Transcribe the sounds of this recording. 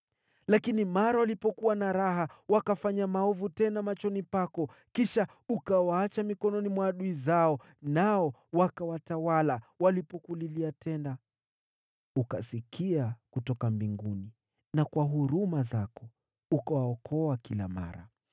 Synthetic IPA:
lakinimaɾawalipɔkuwanaɾaɦawakafaɲamaɔvutɛnamat͡ʃɔnipakɔ | kiʃa | ukawaat͡ʃamikɔnɔnimwaːɗuizaɔ | naɔwakawatawalawalipɔkuliliatɛnda | ukasikʰiakutɔkambiŋɡuni | nakwaɦuɾumazakɔ | ukawaɔkʰɔakila̰ma̰ɾa̰

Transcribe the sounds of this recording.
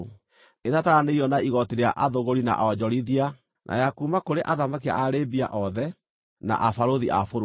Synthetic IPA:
etataɾaneiɔnaiɣɔteɾeaʔaðoɣoɾina̰ʔaɔd͡ʑɔɾiðia | nʔa̰jakumakoɾeʔaðamakia̰ʔaɾebia̰ʔɔðɛ | na̰ʔafaɾoðiʔafoɾ

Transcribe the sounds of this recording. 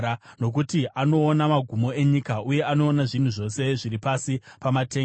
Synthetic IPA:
ano̞k̬utiʔano̞ːnamaɡʱumo̞e̞ɲikaʔuje̞ano̞ːnaʐin̤uʐo̞se̞ʐiɾipasipamateː

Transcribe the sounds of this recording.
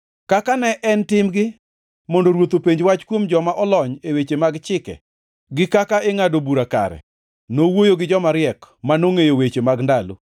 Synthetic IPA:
kakanɛʔɛntɪmɡɪ | mɔndoɾwot̪opeɲd͡ʒwat͡ʃkwomd͡ʒɔmaʔɔlɔɲewet͡ʃemaɡt͡ʃɪkɛ̰ | ɡɪkakaeŋadobuɾaka̰ɾɛ̰ | nowojoɡɪd͡ʒɔmaɾjɛkmanoŋejowet͡ʃemaɡndalo̰

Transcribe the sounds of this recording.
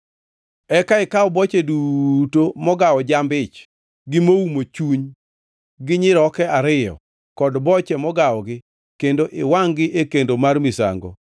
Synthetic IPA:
ɛkaɪkawɔbɔt͡ʃedutomɔɡawɔd͡ʒambɪt͡ʃ | ɡɪmoumot͡ʃuɲ | ɡɪɲɪɾɔkɛaɾɪjɔ̰ | kɔdbɔt͡ʃɛmɔɡaɔɡɪ | kendoʔɪwaŋɡɪʔekendomarmɪsa̰ŋɡo̰

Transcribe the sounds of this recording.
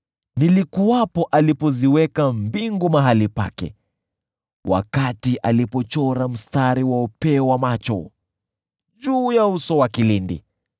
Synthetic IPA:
nilikuwapɔʔalipɔziwɛkambiŋɡumaɦalipa̰kɛ̰ | wʔa̰katiʔalipɔt͡ʃɔɾam̩staɾiwaɔpɛwamat͡ʃɔ | d͡ʒuːjausɔwakilindḭ

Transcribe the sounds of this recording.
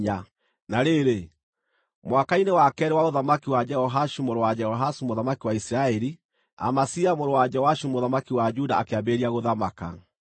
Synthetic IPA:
a | naɾeɾe | mwakainewakɛɾɛwaoðamakiwad͡ʒɛhɔɦaʃumoɾowad͡ʒɛhɔɦasumoðamakiwaisiɾaɛɾi | a̰masiamoɾowad͡ʒɛwaʃumoðamakiwad͡ʒudaːkeabeɾiaɣoðamaka̰

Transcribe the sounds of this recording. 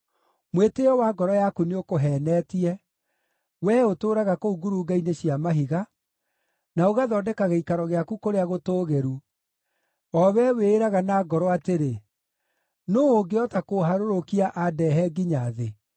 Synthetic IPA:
mweteɔwaːɡɔɾɔjakuneokoɦɛːnɛːtiɛ | wɛotoːɾaɣakouɡuɾuɡaineɕiamaɦiɣa | naoɣaðɔːdɛkaɣeikaɾɔɣeakukoɾeaɣotoːɣeɾu | ɔwɛweːɾaɣanaːɡɔɾɔateɾe | noːoɡeɔtakoɦaɾoɾokiaʔadɛɦɛɡiɲaðe

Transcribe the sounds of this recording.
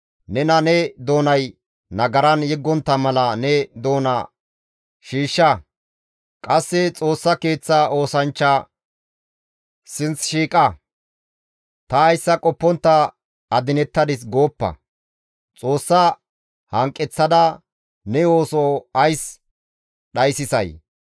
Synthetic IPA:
nɛnɐnɛd̪o̞ːnɐj | nɐɡɐɾɐnjɛɡːɔnt̪ːɐmɐlɐnɛd̪o̞ːnɐ̰ | ʃiːʃːɐ | kʼɐsːɪt͡sʼo̞ːsːɐke̞ːt͡sːao̞ːsɐnt͡ʃːɐ | sɪnt͡sʃiːkʼɐ | t̪ɐːjsːɐkʼɔpːɔnt̪ːɐ | ɐd̪ɪnɛt̪ːɐd̪ɪs̬ɡo̞ːpːɐ̰ | t͡sʼo̞ːsːɐ | hɐŋkʼːɛt͡sːɐd̪ɐ | nɛo̞ːsoɐjs | ɗɐjsɪsɐ̰j

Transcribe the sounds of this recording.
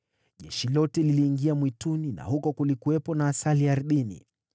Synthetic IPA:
ʄɛʃilɔtɛliliːŋɡiamwitunina̰hukɔkulikuwɛpɔnaːsaliaɾɗinḭ

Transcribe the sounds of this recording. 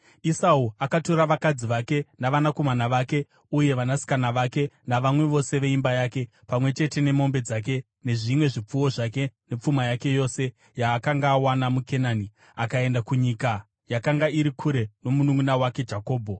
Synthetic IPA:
isauakato̞ɾaʋakad͡ziʋake̞naʋanako̞manaʋake̞ | uje̞ʋanasi̥kanaʋake̞naʋamwe̞ʋo̞se̞ʋe̞imbajaːke̞ | pamwe̞t͡ʃe̞te̞ne̞mo̞mbe̞d͡zak̬e̞ | ne̞ʐimwe̞ʐip͡fuwo̞ʐake̞ne̞p͡fumajake̞jo̞se̞ | jaːkaŋɡaːwanamuke̞naːni | akae̞ndakuɲika | jakaŋɡaiɾikʰuɾe̞no̞munuŋɡunawake̞d͡ʒako̞ːbʱo

